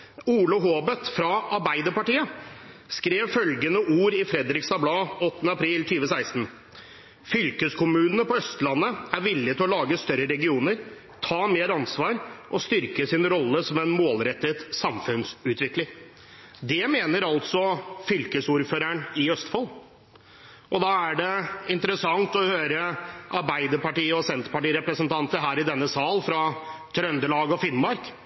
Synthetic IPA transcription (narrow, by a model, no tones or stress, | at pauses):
uːlʊɦoːbət̪fɾɑʔɑɾbæɪd̪əɾpɑʈiːəskɾeːʋfœlɡənəʔuːɾɪfɾɛd̪ɾɪksɑblɑːɔt̪ːənəɑpʰɾiːlt̪ʰyːʋəsæɪst̪n̩ | fʏlkəskʰʊmʉːnənəpɔœst̪lɑnːəæɾʋɪlːɪt̪ɪlɔlɑːɡəst̪œɾəɾɛɡɪuːnəɾ | t̪ʰɑːmeːɾɑnsʋɑːɾʔɔst̪ʏɾkəsɪnɾɔlːəsɔmɛnmoːlɾɛt̪ːət̪sɑmfʉnsʉːt̪ʋɪklɪŋ | d̪ɛmeːnəɾɑlt̪sɔfʏlkəsuːɾføːɾæɳɪœst̪fɔl | ʔɔd̪ɑːæɖɛɪnt̪əɾəsɑŋt̪ɔhøːɾəʔɑɾbæɪd̪əɾpɑʈiːəɔsɛnt̪pɑʈiːɾɛpɾəsənt̪ʰɑnt̪əɦæːɾɪd̪ɛnːəsɑːlfɾɑt̪ʰɾœnd̪əɭɑːɡɔfɪnmɑɾk